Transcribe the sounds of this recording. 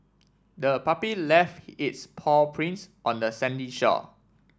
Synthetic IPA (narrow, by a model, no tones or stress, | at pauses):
dəpapilɛftɪtspʰɔpʰɹĩnsʔɔ̃ndəsɛ̃ndiʃɔ̰